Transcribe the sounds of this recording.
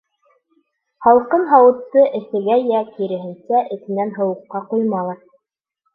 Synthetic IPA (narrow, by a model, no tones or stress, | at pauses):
hɑlˠqɤnɦɑwɤ̆t̪ːɤʔɘ̆θɘ̆ɡæjækiɾɘ̆ɦɘ̆nsæʔɘ̆θɘ̆nænɦɤ̆wɤ̆qːɑqujmɑlˠɑɾ